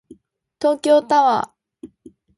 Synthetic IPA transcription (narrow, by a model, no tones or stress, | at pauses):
t̪o̞ːkʲo̞ːt̪aβa